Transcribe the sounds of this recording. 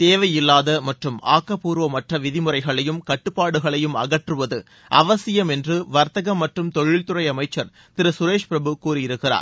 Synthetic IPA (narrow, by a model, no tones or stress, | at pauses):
t̪eːʋɐjɪlːaːðɐmɐʈrɯma̰ːkːɐpuːɾʋɐmɐʈrɐʋɪðɪmɯrɐɪɣɐɭɐjɯmkɐʈːɯpːaːɽɯɣɐɭɐjɯmɐ̰ɣɐʈrɯʋɐðɯ | ʔɐ̰ʋɐsɪjɐmɛndrɯʋɐɾt̪ɐɣɐmːɐʈrɯmt̪ɔɻɪɭt̪ɯrɐɪɐmɐɪt͡ʃːɐɾ | t̪ɪɾɯsʊɾeːʂpɪɾɐbɯkuːrɪjɪɾɯkːɪra̰ːɾ